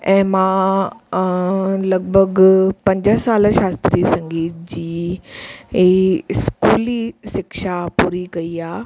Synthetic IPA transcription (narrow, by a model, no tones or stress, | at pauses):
ɛ̃ːmãː | lɐɡbʱəɡpɐ̃ɲd͡ʑəsaːlʃaːst̪ɾisɐ̃ŋɡiːt̪̚d͡ʑiː | skuːlisɪkʃapuːɾikɐiaː